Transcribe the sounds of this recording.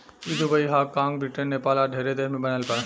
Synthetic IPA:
id̪ubəiɦakãŋbɾɪʈənːepaːlaɖʱeːɾed̪eːɾmẽbənəlpəɽ

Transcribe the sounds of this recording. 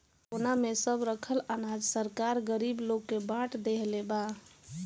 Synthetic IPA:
onamesəbɾəkʰəlanad͡ʒsəɾkaɾɡəɾibloɡːebaʈʰd̪eɦleba

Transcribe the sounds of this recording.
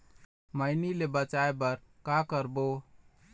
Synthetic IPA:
məjnilebət͡ʃaebəɾkakəɾbo

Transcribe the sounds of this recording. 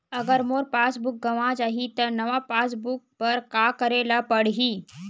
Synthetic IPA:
ɐɡəɾmoːɾpaːsbʊk̚ɡɐʋãd͡ʒaːɦit̪ənɐʋapaːsbʊk̚pɐɾkaːkəɾeːlapəɽɦiː

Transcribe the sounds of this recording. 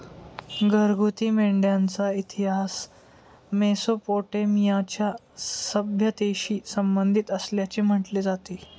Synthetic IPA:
ɡəɾɡut̪iːmeɳɖjant͡sait̪iɦas | mesopoʈemijat͡ɕja | səbʱjət̪eɕiːsəmbənd̪ʱit̪əsljat͡ɕim̤əʈled͡zat̪i

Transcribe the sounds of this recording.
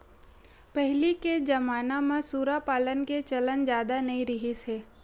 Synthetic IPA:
pɛɦliked͡ʒɐmaːnamãsuːɾapaːlənket͡ʃɐlənd͡ʒjaːd̪anɐĩɾɪɦiseː

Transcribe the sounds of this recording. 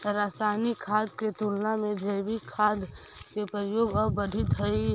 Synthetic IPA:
ɾaːsanikʰaːd̪ket̪ulnamẽd͡ʒəɪbikʰaːd̪ | kepɾəjoːɡəbəɖʱit̪ɦəi

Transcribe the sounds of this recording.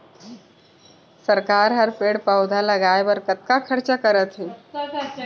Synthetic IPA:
səɾkaɾɦəɾpeɽpəwd̪ʱaləɡajbəɾkət̪̚kakʰəɾt͡ʃakəɾət̪ɦe

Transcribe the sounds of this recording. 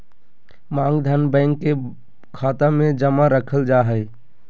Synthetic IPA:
mãŋɡd̪ʱənbə̃ɪŋkːe | kʰat̪amẽd͡ʒəmaɾəkʰəld͡ʒaɦəɪ

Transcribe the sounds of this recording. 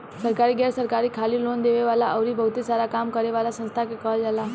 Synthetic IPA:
səɾkaɾiɡɛɾsəɾkaɾikʰalilond̪eʋeʋalaʔəʋɾibʱəwt̪isaɾakamkəɾeʋalasə̃nst̪ʰakekəld͡ʒala

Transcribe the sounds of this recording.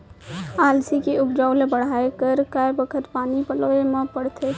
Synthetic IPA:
aːlsikiʊpd͡ʒaːʊlebəɽ̤aːekəɾkaebəkʰət̪paːnipəloemãpəɽt̪ʰe

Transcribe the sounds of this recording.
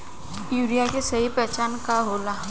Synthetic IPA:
juːɾijakesɐɦipɛːt͡ʃaːnkaɦoːlaː

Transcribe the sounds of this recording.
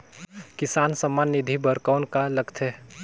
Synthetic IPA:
kɪsaːnsəmːanːɪd̪ʱibəɾkaʊnkaləɡt̪ʰɛ

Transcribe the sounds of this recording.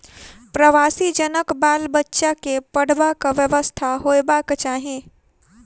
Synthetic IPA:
pɾəʋaːsid͡ʒənəkbaːlbətːʃakepəɽ̤bakaʋjəʋəst̪ʰaɦoːjbaːkt͡ʃaːɦẽː

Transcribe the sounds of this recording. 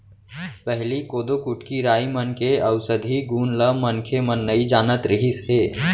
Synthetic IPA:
pəɦlikoːd̪okuʈkiɾaːimənkeəwsəd̪ʱiɡuːnləmənkʰemənːəid͡ʒaːnət̪ɾəɦisɦeː

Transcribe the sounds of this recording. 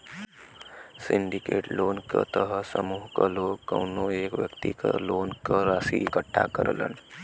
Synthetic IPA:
siɳɖikeʈlonkət̪əɦəsəmuɦkəlokːəwnoekʋjəkt̪ikəlonkəɾasiikəʈʰːa̰kəɾələ̰n

